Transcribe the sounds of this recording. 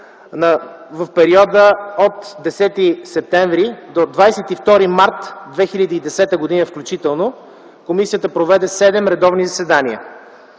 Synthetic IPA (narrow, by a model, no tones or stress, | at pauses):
nəvɐfpɛɾiɔd̪əot̪d̪ɛsɛt̪isɛp̚t̪ɛɱvɾid̪od̪vajsɛt̪ift̪ɔɾimaɾt̪d̪vɛxilʲəd̪iːd̪ɛsɛt̪əɡod̪inəfklʲut͡ʃit̪ɛlˠno | komisiət̪əpɾovɛd̪ɛsɛd̪ɛmɾɛd̪ɔvnizɐsɛd̪aniə̰